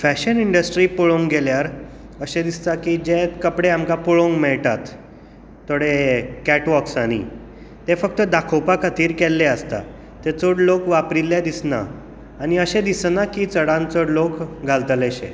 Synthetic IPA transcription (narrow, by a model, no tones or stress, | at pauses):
fæɕəniɳɖəsʈɾiːpoɭõŋɡɡeljaɾ | əɕed̪ist̪akid͡ʑet̪kəpɽeamkapoɭoŋɡmɛɭʈ̪at̪ː | oɽekɛʈʋɔksaɽ̃ḭ | t̪efək̚t̪əd̪akʰowpakʰat̪iːɾkelːeəst̪a̰ | t̪et͡soɽlokʋapɾilːjed̪isna̰ː | ɽ̃iəɕẽd̪isnakiːt͡səɽãnt͡soɽlokɡʱalt̪əleɕḛ